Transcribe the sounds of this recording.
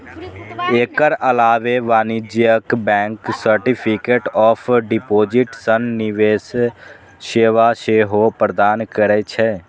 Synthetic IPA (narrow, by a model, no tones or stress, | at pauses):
eːkəɾəlaːʋeʋaːnɪd͡ʒjəkbɛ̃ːŋksəɾʈipʰikeːʈɔːpʰɖɪpoːd͡ʒɪʈsənːɪʋeːs | ʃeːʋaʃeːɦopɾəd̪aːnkəɾɛt͡ʃʰɛ